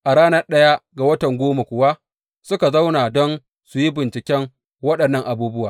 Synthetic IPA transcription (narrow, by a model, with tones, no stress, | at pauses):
ʔa˨ɽaː˦nɐ˦rɗɐ˦ja˦ɡa˨wɐ˦tɐ˨ŋɡʷoː˦ma˨kʷʊ˨wa˦ | sʊ˦ka˨za˦wnaː˨dɔ˦n | sʊ˨ji˦bɪ˨nt͡ʃɪ˨kʲɛ˦ŋ | wɐ˦ɗɐ˨nːɐ˦˨ŋʔa˨buː˦bʊ˦waː˨